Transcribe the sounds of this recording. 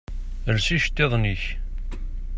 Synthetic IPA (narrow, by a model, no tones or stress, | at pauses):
əɾsiʃt̪ːeðˤniç